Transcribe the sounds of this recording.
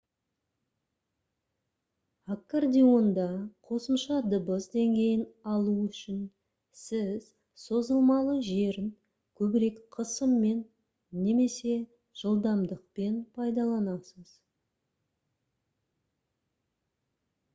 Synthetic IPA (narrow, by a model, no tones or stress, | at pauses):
akːard̪ʲio̞nd̪ɑqʰo̞səmʃɑd̪əbəzd̪e̞ŋɡʲe̞jɪnɑlˠuʏʃɪn | sɪz̥ | so̞zəlˠmɑlˠəʒe̞ɾɪn | kʲʰɵbɪɾe̞kqʰəsəmːe̞nː | e̞me̞se̞ | ʒ̥əlˠd̪ɑmd̪əq̚pe̞npʰɑjd̪ɑlˠɑnɑsəz̥